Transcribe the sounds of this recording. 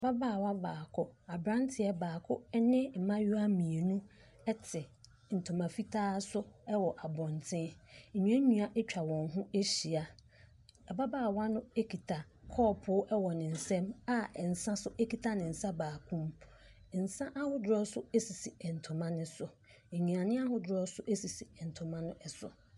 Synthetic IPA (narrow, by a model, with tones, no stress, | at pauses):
ɛ˨ba˦baː˦˨wa˦baː˨kʰʊ˦a˨bɾã˦ntʰɪ˨ɛ˦baː˨kʰʊ˦nɪ̃˦m̩˨mã˦jʊ˦a˦mĩ˨e˨nũ˦ | ɛ˦tʰɪ˨ | n̩˨tʰʊ̃˨mã˨fi˦tʰaː˦sʊ˦ɛ˦wɔ˨ʔa˨bɔ̃˨ntʰɪ̃˦ɲ̩˨ɲũ˨˦ã˦ɲũ˦a˦ʔt͡ɕᶣa˨wɔ̃˨nɦʊ̃˦e˦ɕi˨a˨ | ɛ˨ba˦baː˦˨wa˦nʊ̃˦e˦kʰi˨tʰa˨ | kʰɔː˦˨pʰʊ˦ʔɛ˦wɔ˨nɪ̃˨n̩˨sɛ̃˦ma˦˨n̩˨sã˦sʊ˦ʔe˦kʰi˨tʰa˨nɪ̃˨n̩˨sã˦baː˨kʰũ˦m | n̩˨sã˦ʔa˦hʊ˦dʊ˦ɾɔ˦sʊ˦e˦si˨si˨ɛ˨n̩˨tʰʊ̃˨mã˦nʊ̃˦sʊ˨ | ɲĩ˨a˨nɪ̃˦a˦ɦʊ˦dʊ˦ɾɔ˦sʊ˦ʔe˦si˨si˨n̩˨tʰʊ̃˨mã˦nʊ̃˦ʔɛ˨sʊ̰˨